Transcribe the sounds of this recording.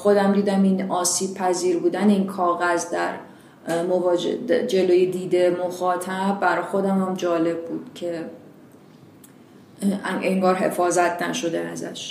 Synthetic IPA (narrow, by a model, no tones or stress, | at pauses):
xo̞d̪æmd̪iːd̪æminɒːsiːb̚pʰæziːɾbuːd̪æneiːnkʰɒːɣæzd̪æɾ | movːd͡ʒ̰d͡ʒe̞loːjed̪iːd̪emoxɒːt̪ʰæbːæɾɒːjxo̞d̪æmæmd͡ʒɒːle̞b̚ːuːd̪̥cʰe̞ | ʔeŋɡɒːɾɦe̞̰fɒːzæt̪ʰnæʃo̞d̪eæzæ̰ʃ